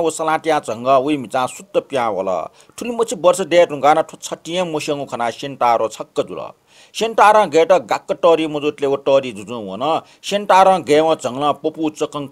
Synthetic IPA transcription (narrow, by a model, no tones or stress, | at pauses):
wosɐlãʈjãd͡zʱʌŋɡʌwuimit͡sãsut̪ːʌpjãɦo̰lʌ̰ | ʈʰulimʌt͡sʰibʌrsʌd̪eɾũŋɡaːnʌʈʰot͡sʰʌʈijẽmusʌŋukʰʌnaʃenʈaːɾot͡sʰʌkːʌd͡zṵlʌ̰ | senʈaɾãːɡeʈʌɡakːʌʈʌɾimud͡zuʈ̪lewoʈʌːɾid͡zud͡zũwo̰nʌ | senʈaːɾãɡewʌ̃d͡zʱʌŋlãpoput͡sʌkʌŋ